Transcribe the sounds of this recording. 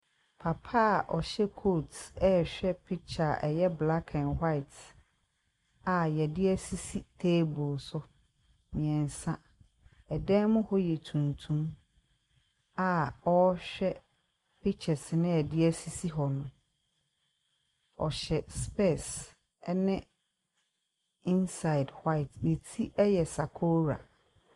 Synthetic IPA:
pʰa˨pʰa˦˨ʔɔ˨ɕɛ˦kʰo˦˨tɛ˦ɕᶣɛ˦pʰi˦t͡ɕʰa˨ʔɛ˨jɛ˦bla˦kʰã˨nha˦ɪ˨t | a˨jɛ˨dɪ˦æ˦si˦si˦tʰeː˦bʊ˨lsʊ˦ | mĩ˨ɛ̃˨n˨sã˦ | ɛ˨dɛ̃ː˦mʊ̃˦hɔ˦jɛ˨tʰũ˨ntʰũ˦m | a˨ɔ˦ɕᶣɛ˦ | pʰi˦t͡ɕʰɛ˨snɪ̃˦ɛ˨dɪ˦æ˦si˦si˦ɦɔ˨nʊ̃˨ | ɔ˨ɕɛ˨spɛ˦˨s | nɪ̃˦ | ĩ˦nsa˨ɪ˨dhwa˦ɪ˨tne˨tʰi˦ʔɛ˦jɛ˨sa˨kʰo˦ɾa̰˨

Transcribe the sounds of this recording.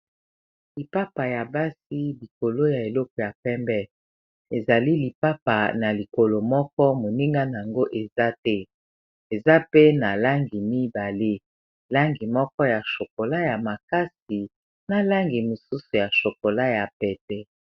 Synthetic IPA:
li˨pa˦pa˨ja˨ba˦si˦li˨ko˨lo˦ja˨e˨lɔ˦kɔ˨ja˨pɛ˦mbɛ˦ | e˨za˨li˦li˨pa˦pa˨na˨li˨ko˨lo˨mɔ˦kɔ˦mo˨ni˦ŋɡa˦na˨a˨ŋɡo˦ʔe˨za˦tɛ˦ | e˨za˦pe˦na˨la˦ŋɡi˨mi˦ba˨le˦ | la˦ŋɡi˨mɔ˦kɔ˦ja˨ʃo˨ko˨la˦ja˨ma˨ka˦si˨ | na˦la˦ŋɡi˨mo˨su˦su˨ja˨ʃo˨ko˨la˦ja˨pɛ˨tɛ˦

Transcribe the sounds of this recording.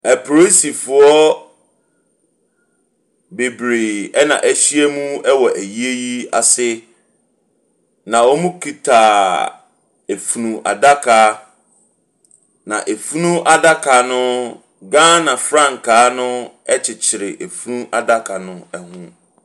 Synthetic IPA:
æ˨pʰɾo˦si˨fʊ˨ɔ˦ | be˨bɾe˨ɛ˦nã̰˨ʔæ˨ɕi˦e˦mũ˦ɛ˦wɔ˨ʔæ˨ji˦e˦ji˦a˨sɪ˦ | nã˨ɔ˦mũ˦kʰi˨tʰa˨ | e˨fu˨nũ˨ʔa̰˨da˦kʰa˨ | nã̰˨ʔe˨fu˦nũ˦ʔa˦da˦kʰa˨nʊ̃˦ | ɡã˦nã˨fɾã˦˨ŋ˨kʰaː˨˦nʊ̃˦ | ɛ˦t͡ɕʰɪ˨t͡ɕʰɪ˨ɾɪ˨ʔe˨fu˦nũ˦ʔa˨da˦kʰa˨nʊ̃˦ɛ˨hũ˦

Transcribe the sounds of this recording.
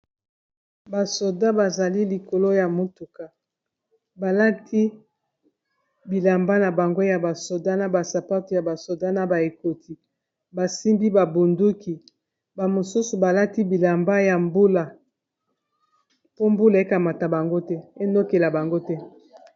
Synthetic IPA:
ba˨so˨da˦ba˨za˨li˦li˨ko˨lo˦ja˨mo˨tu˨ka˨ | ba˨la˦tʰi˦ | bi˨la˨mba˦na˨ba˨ŋɡo˦ja˨ba˨so˨da˦na˨ba˨sa˨pa˦to˨ja˨ba˨so˨da˦na˨ba˨e˨ko˨tʰi˨ | ba˨si˦mbi˦ba˨bo˨ndu˦ki˨ | ba˨mo˨su˦su˨ba˨la˦ti˦bi˨la˨mba˦ja˨mbu˦la˨ | po˦mbu˦la˨e˦ka˨ma˨ta˨ba˨ŋɡo˦tɛ˦e˦no˦ke˨la˨ba˨ŋɡo˦tɛ˦

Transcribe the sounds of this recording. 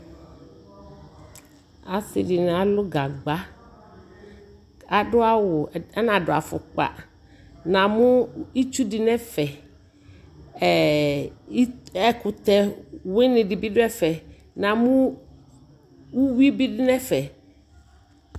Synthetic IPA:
a˨sɪ̰˨dɪ˨ñ˨a˨lʊ˦ɡa˨ɡ͡ba˦ | a˨dʊ˦a˦wʊ˨ɛ˦nã˨dʊ˨a˨fʊ̰˨k͡pa̰˨ | nã˨mʊ̃˦i˦t͡ʃu˦dɪ˨nɛ̃˦fɛ˨ | ɛ˨˦ | ɛ˦kʰʊ˨t̪ɛ˦wɪ˦nɪ̃˨dɪ˨bɪ˦dʊ˦ɛ˦fɛ˨ | nã˨mʊ̃˦ | wu˦wi˦bi˦dɪ˦nɛ̃˦fɛ˨

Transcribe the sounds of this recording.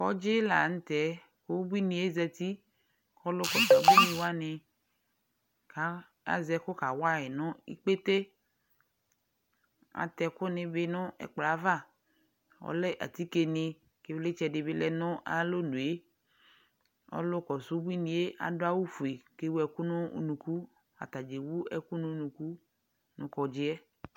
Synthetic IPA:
kɔ̰˦d͡ʒɪ˦la̰˨ŋ̩˦t̪ɛ˨˦ | ko˦bi˦nĩ˨e˦zɛ˨t̪i˦ | kɔ˦lʊ˦kɔ˨su˦bi˦nĩ˨wa˦ne˨ | ka˨ | a̰˨zɛ˦ko˦ka˨wa˦e˨nʊ̃˦ḭ˦k͡pe˦t̪e˦ | a̰˨t̪ɛ˨kʊ˦nɪ̃˨be˦nʊ̃˦ɛ̰˨k͡pla˨˦va˦˨ | wɔ̰˦lɛ˦ʔa̰˨t̪i˦ke˨nɪ̃˨ | ke˦ble˦t͡ʃɛ˨ɖe˨be˦lɛ˦nɔ̃˦ʔa˨lo˦nũ˨e˦ | ɔ̰˦lʊ˦kɔ˨su˦bu˦i˦nĩ˨e˦ʔa̰˨do˦a˦wu˦fu˨e˨ke˦wu˦ɛ˨ku˦nʊ̃˦ṵ˨˦nũ˨ku˦ | a̰˨t̪a˨d͡ʒe˨wu˦ɛ˨ku˦nʊ̃˦nũ˨ku˦ | nʊ̃˨kɔ˨d͡ʒɪ˦ɛ˦

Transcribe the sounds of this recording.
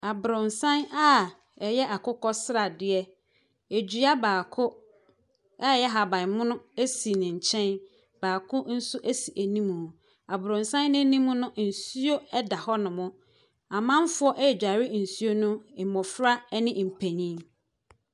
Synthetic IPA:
a˨bʊ˨ɾʊ̃˨nsã˦na˦ | ɛ˨jɛ˦ʔa˨kʰʊ˦kɔ˦sɾa˨dɪ˦ɛ˦ | e˨d͡ʑɥa˦baː˨kʰʊ˦ | a˦˨jɛ˦ɦa˨bã˨mʊ̃˦nʊ̃˦e˦si˨nɪ̃˨ɲ̩˨t͡ɕʰɛ̃˦n | b̥aː˨kʰʊ̃˦n̩˦sʊ˦ʔæ˦si˨ʔæ˨nĩ˦mũ˨hʊ̃˨ | a˨bʊ˨ɾʊ̃˨nsã˦nːɪ̃˦nĩ˦mũ˦nʊ̃˦n̩˨su˦o˦ɛ˦da˨hɔ˦nʊ̃˨mʊ̃˦ | a˨mã˦m˦fʊ˦ɔ˦ʔɛ˦˨d͡ʑᶣa˨ɾɪ˦n̩˨su˦o˦nʊ̃˦ɪ˨mɔ̃˨fɾa˦ɛ˦nɪ̃˦m̩˨pʰæ̃˨ɲĩ˦

